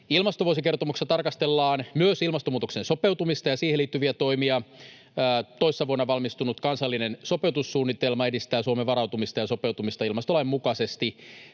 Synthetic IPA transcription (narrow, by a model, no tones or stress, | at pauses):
ilmɑst̪oʋuosike̞rt̪omukst̪ɑt̪ɑrkɑst̪elːɑːnmyøsilmɑst̪omuːt̪oksenso̞pe̞wt̪umist̪ɑjɑsiːheliːt̪ːyʋiæt̪o̞imiɑː | t̪o̞jsːɑʋuonːɑʋɑlmist̪unut̪kɑnsɑlːinenso̞pe̞wt̪usːuːnːit̪e̞lmɑedist̪æːsuomeʋɑɾɑwt̪umist̪ɑjɑso̞pe̞wt̪umist̪ɑilmɑst̪olɑjimmukɑse̞st̪i